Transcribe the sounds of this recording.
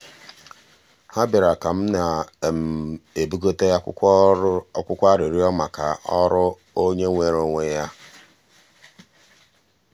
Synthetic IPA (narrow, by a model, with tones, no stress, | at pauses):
ha˦bi˨ɾa˨ka˨m̩˦na˨m̩˨e˨bu˦ɡo˦te˦ja˦ | kʷʊ˦kʷa˦ɾi˨ɾi˦ɔ˦ma˨ka̰˨ʔɔ˦ɾʊ˦ | o˦ɲe˦ŋʷe˨ɾo˦ŋʷe˦ja˦